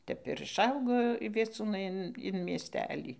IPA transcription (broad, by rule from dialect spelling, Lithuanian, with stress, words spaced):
ˈtʲɛp ɪr ɪʃˈɐʊɡoː ʋʲiɛˈt͡suːnɐɪ ɪn ɪn mʲiɛsʲˈtʲæːlʲiː